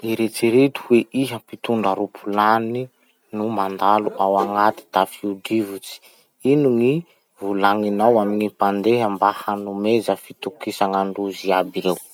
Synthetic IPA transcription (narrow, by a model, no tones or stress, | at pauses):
iɾet͡siɾet̪u̥weʔiɦəpit̪uɳɖ͡ʐaɾupʰulani | numand̪aluʔawaŋat̪i̥t̪afiud̪ivut͡si̥ | inuŋi | vulaŋinawaminipand̪eɦambahanumezəfit̪ukisaŋaɳɖ͡ʐuziabiɾew